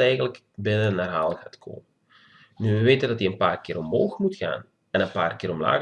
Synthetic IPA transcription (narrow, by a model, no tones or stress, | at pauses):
ɛjɣənlək | bɪnənːaːrɦaːlˠɣaːtkʰo̰ːmə | nyʋəʋeːtəndɑtiənpaːrkɪːɾɔmɦoːxmutxa̰ːn | ɛnənpaːrkɪːɾɔmla̰ː